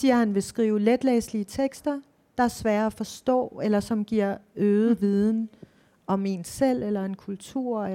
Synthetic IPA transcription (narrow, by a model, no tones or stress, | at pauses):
siːɐhænʋe̝sɡ̥ʁiːʊled̥leːsliət͡sʰeɡ̥sd̥ɐ | d̥ɑ̈æɐsʋæːɐæfɒ̽sd̥ɔ̰̽ːelɐsɒ̽mɡ̥iɐ̰øːð̩ˠʋið̞ˠn̩ | ʔɒ̽me̝nsel̰elɐe̝nkʰult͡sʰuɐ̰e